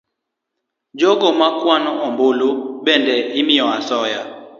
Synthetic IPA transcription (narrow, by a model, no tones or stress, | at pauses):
d͡ʒɔɡɔmakwanɔɔmboloɓɛndɛimiɔasɔja